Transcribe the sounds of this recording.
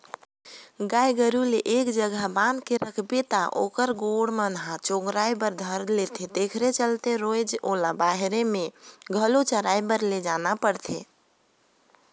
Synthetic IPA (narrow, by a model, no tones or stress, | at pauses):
ɡajɡəɾuleʔekd͡ʒəɡʱaband̪keɾəkʰbet̪aʔo̰kəɾɡoɽmənɦat͡ʃoɡɾajbəɾd̪ʱəɾlet̪ʰed̪ekʰɾet͡ʃəlt̪eɾojd͡ʒolabaɦɾemeɡʱəlot͡ʃəɾajbəɾled͡ʒanapəɾt̪ʰe